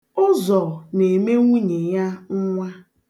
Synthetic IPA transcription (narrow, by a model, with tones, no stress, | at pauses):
ʊ˦zɔ˨ne˨me˦ŋʷu˦ɲe˨ja˦ŋ̩˦ŋʷa˦